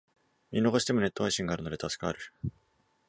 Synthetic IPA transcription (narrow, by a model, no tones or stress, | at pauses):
mʲino̞ko̞ɕi̥t̪e̞mo̞ne̞t̪ːo̞βaiɕĩŋɡaɾɯ̟no̞d̪et̪asɨ̥kɯa̰ɾɯ̟